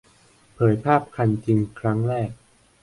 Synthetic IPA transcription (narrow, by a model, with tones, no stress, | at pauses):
pʰɤː˩˦jpʰaː˥˩p̚kʰa˧nt͡ɕi˧ŋkʰɾa˦˥ŋɾɛː˥˩k̚